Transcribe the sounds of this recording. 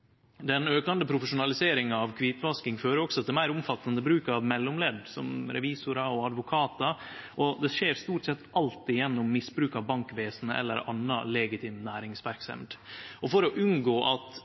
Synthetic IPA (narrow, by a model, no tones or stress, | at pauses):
d̪ɛnøːkɑnd̪əpʰɾʊfəʂʊnɑlɪseːɾɪŋɑɑʋkʰʋiːt̪ʋɑskɪŋføːɾəɔksɔɑt̪̚d̪ɛmæɪɾʊmfɑt̪ːɑnd̪əbɾʉːkɑʋmɛlːʊmleːd̪sɔ̰mɾɛ̰ʋiːsʊɾɑɔɑd̪ʋʊkʰɑːt̪ə | ʔɔd̪ɛʂeːɾst̪uːʈsɛt̪ːʔɑlt̪ɪjɛnːʊmːɪsbɾʉːkɑʋbɑŋkʋeːsnəʔɛ̰lːə̰ɾɑ̰nːə̰lɛːɡɪt̪ʰiːmnæːɾɪŋsʋæɾksɛ̰md̪ɔfɔɾɔʔʉnɡoːʔɑt̪